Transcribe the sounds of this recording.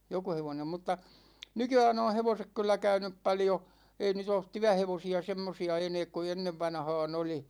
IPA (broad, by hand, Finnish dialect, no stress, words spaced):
joku heʋonem mutːɑ nykyæːn õː heʋosek kylːæ kæynyp pɑljo ei nyt oːt tyæheʋosiɑ semːosiɑ eneːk ku enːeʋːɑnhɑːn oli